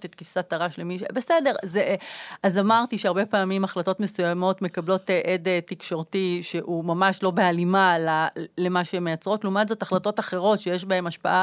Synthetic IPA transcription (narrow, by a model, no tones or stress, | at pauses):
tetkifsat̪aʁaʃlemiʃebesede̞ʁzeazamaʁtiʃeaʁbe̞paːmimaχlato̞tme̞sujamo̞tme̞kablo̞teʔedetikʃo̞ʁtiʃeʔumamaʃlo̞bealimalale̞maʃeemejat͡sʁo̞tlumadzo̞taχlato̞taχe̞ʁo̞tʃejeʃbae̞maʃpa̰ʔa